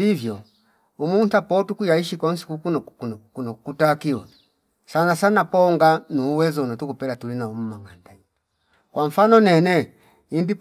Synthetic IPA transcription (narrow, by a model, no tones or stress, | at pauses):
ivjɔ | umuntapɔtukujaiʃikɔn̩si̥kukunɔkunkunɔkutakiwɔ | sanasanapɔŋɡanuːwɛzɔnatukupɛlatulinaum̩maŋandaɲi | kwaɱ̩fanɔnɛnɛ | indip